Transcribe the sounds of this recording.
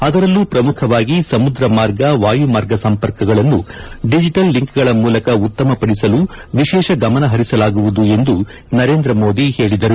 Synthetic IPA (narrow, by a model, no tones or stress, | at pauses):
ɐd̪ɐɾɐlːupɾɐmukʰɐʋaːɡisɐmud̪ɾɐmaːɾɡɐʋaːjumaːɾɡɐsɐmpɐɾkɐɡɐɭɐnːuɖid͡ʒiʈɐlːiŋkɡɐɭɐmuːlɐkɐut̪ːɐmɐpɐɽisɐlu | ʋiʃɛːʃɐɡɐmɐnɐɦɐɾisɐlaːɡuʋud̪ue̞nd̪u | nɐɾe̞ːnd̪ɾɐmo̞ːd̪ihe̞ːɭid̪ɐɾu